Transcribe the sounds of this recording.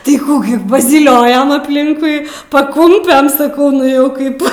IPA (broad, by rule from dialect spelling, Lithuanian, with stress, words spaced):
tɐɪ ˈkuː ɡʲɪ pɐzʲiːˈlʲoːjoːm ɐpʲˈlʲɪŋkʊɪ pɐˈkʊmʲpʲɛn sɐˈkɐʊ ˈnʊ jɛʊ ˈkɐɪp